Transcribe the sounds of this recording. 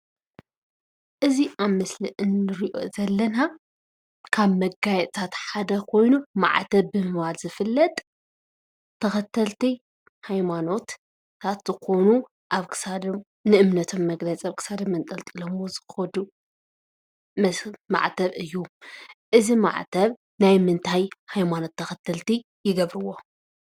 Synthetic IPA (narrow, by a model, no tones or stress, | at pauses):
ʔɨziʔaβmɨsliʔɨnːɨɾiʔo̞̰zɐlːɐna | kʰaβmɐɡajɛt̪ʼt̪ʰat̪ħad̪ɐkʰo̞jnuma̰ʕt̪ʰɐβbɨmɨβalzɨfɨlːɐt̪ʼ | t̪ʰːɐxɐt̪ʰːɐlt̪ʰi | hajmano̞t̪ | t̪ʰat̪zɨkʰo̞nu | ʔaβkʰɨ̥sad̪om | nɨʔɨmnɐt̪ʰo̞mːɐɡlɐt͡sʼiaβkʰɨ̥sad̪ɐmːɐnt̪ʼɐlt̪ʼilomwozɨxxɐd̪u | mɐma̰ʕt̪ʰɐβɨjːuʔɨzima̰ʕt̪ʰɐβ | najmɨnt̪ʰajhajmano̞t̪ʰːɐxɐt̪ʰːɐlt̪i | jɪɡɐβɾɨwo